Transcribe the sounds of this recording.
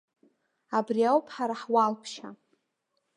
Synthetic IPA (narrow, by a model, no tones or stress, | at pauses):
abriawpʰħaɾaħwalpʰʃa